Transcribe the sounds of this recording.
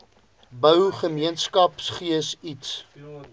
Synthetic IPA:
bœwχəmiənskɐpsχiəsits

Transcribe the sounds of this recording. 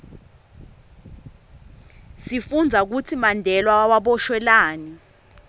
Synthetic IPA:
sifund͡zʱak̬utʰimandʱɛlwawaɓɔʃwɛlaːni

